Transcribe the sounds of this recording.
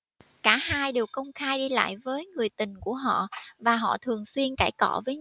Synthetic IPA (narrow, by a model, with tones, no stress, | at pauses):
kaː˧˩haː˧jɗe˨˩wkə˧wŋ͡mxaː˧jɗi˧la̰ː˧˨jvəː˨˦jŋɨ˨˩əjt̪ï˨˩ŋ̟ku˧˩əɦɔ̰˧˨vaː˨˩ɦɔ̰˧˨t̪ʰɨ˨˩əŋswi˧ənka̰ː˧˩jkɔ˧˩vəː˨˦